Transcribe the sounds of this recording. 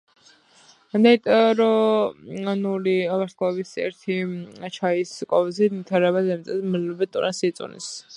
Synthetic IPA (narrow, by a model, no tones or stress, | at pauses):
d̪ɛt̪ʼɛɾɔ | anuliavaɾsabisɛ̰ɾt̪ʰit͡ʃʰaiskʼɔvzimit̪ʰaɾɛβazɛmt̪sʼɛmlɔbɛt̪ʼuɾɛsit̪sʼṵnḭs